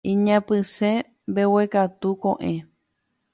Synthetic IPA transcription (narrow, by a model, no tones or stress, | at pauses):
ĩɲãpɨsẽ | mbewekat̪ukõʔẽ